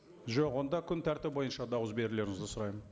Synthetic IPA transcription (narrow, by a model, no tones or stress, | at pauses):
ʒoqwo̞nd̪ɑkʲʰʏnt̪ʰæɾt̪ɪp̚bo̞jənʃɑd̪ɑwəsbe̞ɾɪle̞ɾɪŋɪzd̪ɪsʊɾɑjmən